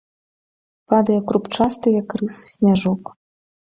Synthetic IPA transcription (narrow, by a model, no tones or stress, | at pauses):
pad̪ɐjɛkɾupt͡ʂast̪ɨjɐkrɨssʲnʲaʐɔk